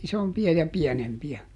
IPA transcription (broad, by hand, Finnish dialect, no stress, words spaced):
isompiɑ jɑ piɛnempiæ